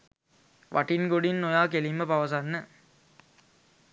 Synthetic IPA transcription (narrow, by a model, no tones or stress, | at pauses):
ʋʔa̰ʈinɡoɽinːojaːkelimːəpaʋɐs̬anːə